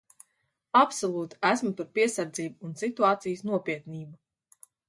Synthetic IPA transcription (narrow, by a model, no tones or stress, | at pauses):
apsɔlˠuːt̪æsmut̪uɾpiɛsaɾd̪ziːbuːnsit̪uaːt̪sijəsnuɔpiɛt̪niːbu